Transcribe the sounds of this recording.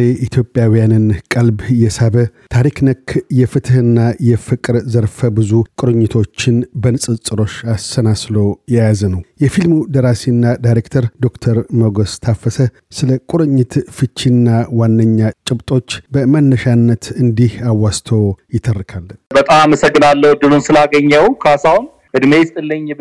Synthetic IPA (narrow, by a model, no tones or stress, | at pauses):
eʔit̪ʰjo̞pʼjawijanɨnkʼəlbjɛsaβət̪ʰaɾiknəkʰːjɛfɨt̪ʰɨhɨnːajɛfɨkʼɨɾzəɾfəbɨzukʼʊɾɨɲːɪt̪ʰo̞t͡ʃːɪnbənsʼɨsʼɨɾo̞ʃasːənaslojɛjazənəwjɛfilmud̪əɾasinːad̪ajɾekt̪ʰəɾd̪o̞kt̪ʰəɾməɡost̪ʰafəsə | sɨləkʼʊɾɨɲːɪt̪fɨt͡ʃːinːawanːəɲːat͡ʃʼɪβt̪ʼo̞t͡ʃːbəmənːəʃanːət̪ɨnd̪ihawast̪ʰowjɪt̪ʰərːɨkʰalbət̪ʼamaməsəɡːɨnalːəwd̪ɨnunsɨlaɡəɲːəwkʰasawun | hɨd̪mest̪ʼɨlːəɲɛ